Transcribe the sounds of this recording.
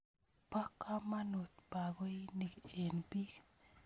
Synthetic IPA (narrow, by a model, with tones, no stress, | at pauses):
pa˦kːa˦ma˦no˨t̪̚pa˨ko˦i˦ni˨ke˨nbi˦k